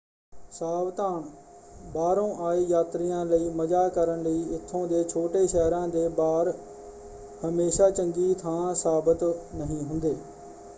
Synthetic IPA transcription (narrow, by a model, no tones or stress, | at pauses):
saːbt̪aːɳbaːɾõːʔaːeːjaːt̪ɾɪjãːləiːməd͡ʒaːkəɾəɳləiːɪt̪ʰːõːd̪eːt͡ʃʰoːʈeːʃɛːɾãːd̪eːbaːɾ | həmeːʃaːt͡ʃəŋɡiːt̪ʰãːsaːbət̪nəɦĩːɦʊnd̪eː